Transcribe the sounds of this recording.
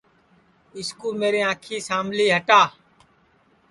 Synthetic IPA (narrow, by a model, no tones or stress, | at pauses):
ɪskuːlmeːɾeːãːkʰiːsaːmliːɦəʈaː